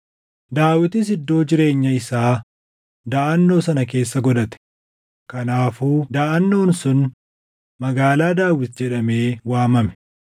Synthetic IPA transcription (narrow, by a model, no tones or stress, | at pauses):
d̪aːwɪt̪ɪs̬ɪd̪ːo̞ːd͡ʒɪɾe̞ːɲːɐɪsaː | d̪aːʔɐnːo̞ːsɐnɐke̞ːsːɐɡɔd̪ɐt̪ɛ̥ | kɐnaːfuːd̪aːʔɐnːo̞ːnsʊn | mɐɡaːlaːd̪aːwɪt̪̚d͡ʒɛᶑɐme̞ːwaːmɐmɛ̥